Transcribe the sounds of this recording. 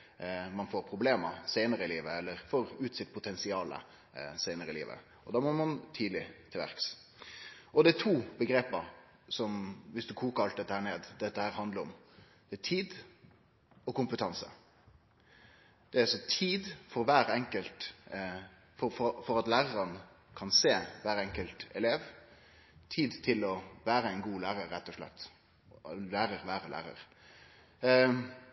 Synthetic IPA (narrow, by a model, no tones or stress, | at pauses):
mɑnfoːɾpʰɾʊbleːməɾseɪnəɾəɪliːʋəɛlːəɾfoːɾʉːt̪sɪt̪̚pʰʊt̪ʰɛnsɪɑːlə̰ | sæɪnəɾəɪlḭːʋə̰ | ɔd̪ɑːmɔmɑnt̪ʰiːd̪lɪt̪ʰɪlʋæ̰ɾks | ɔd̪ɛæt̪ʰuːbəɡɾeːpəɾ | sɔmʋɪsd̪ʉkʰuːkəɾɑlt̪̚ɛt̪ːəhæːɳeːd̪d̪ɛt̪ːəhæːɾhɑnd̪ləɾɔmd̪̥ɛæt̪ʰiːd̪ | ɔkʊmpət̪ʰɑnsə̰ | d̪̥ɛæsɔt̪ʰiːd̪fɔɾʋæːɾɛŋkəlt̪ | fɔfɔfɔɾɑt̪læːʁəɾɑnə | kʰɑnseːʋæːɾɛŋkəlt̪ɛleːʋ | t̪ʰiːd̪t̪ʰɪlɔʋæːɾəæɪnɡuːlæːɾəɾːɛt̪ːɔʂlɛ̰t̪ː | læːɾəɾʋæːɾəlæ̰ːɾə̰ɾ